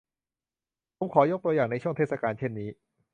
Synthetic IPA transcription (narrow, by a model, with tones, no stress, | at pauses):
pʰo˩˦mkʰɔː˩˦jo˦˥t̪u˧jaː˨˩ŋna˧t͡ɕʰu˥˩ət̪ʰeː˥˩t̪̚sa˧kaː˧nt͡ɕʰe˥˩nːiː˦˥